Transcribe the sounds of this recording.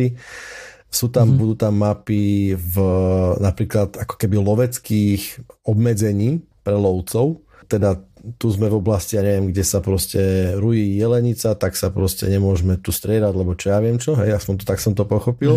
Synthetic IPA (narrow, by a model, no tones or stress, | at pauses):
i | suːt̪ambud̪uːt̪amːapivnapɾiːklad̪akɔ̥kɛbilɔʋɛt͡skiːxɔbmɛd͡zɛɲiː | pɾɛlɔʊt͡sɔʊ | t̪ɛd̪at̪uzmɛvɔblasciaɲɛʋɪɛmɡɟɛsapɾɔscɛɾujiːjɛlɛɲit͡sat̪aksapɾɔscɛ̰ɲɛmʊɔʒmɛt̪ust̪ɾɪɛd̪aɟlɛbɔt͡ʃɔjaʋɪɛmt͡ʃɔɦɛjaspɔnt̪ɔt̪aksɔmt̪ɔpɔxɔpil